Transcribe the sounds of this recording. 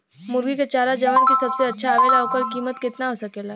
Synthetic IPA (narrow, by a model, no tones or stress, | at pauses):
mʊɾɡiket͡ʃaːɾad͡ʒɐʋaːnkisɐbseɐtːʃʰaːʋeːlaɦokəɾkiːmət̪kɪt̪naɦosɐkelaː